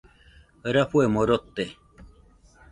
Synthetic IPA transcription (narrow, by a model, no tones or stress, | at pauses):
ɾaɸuemoɾot̪ːe